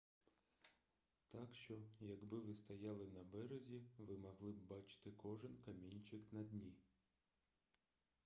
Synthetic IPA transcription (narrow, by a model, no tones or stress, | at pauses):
t̪ɑkʃt͡ʃɔjɐɡbɪʋɪst̪ɐjɑlˠɪnɐbɛɾezʲiʋɪmɐɦlˠɪbbɑt͡ʃɪ̥t̪ɪkɔʒɪnkɐmʲinʲt͡ʃɪknɐd̪ʲnʲi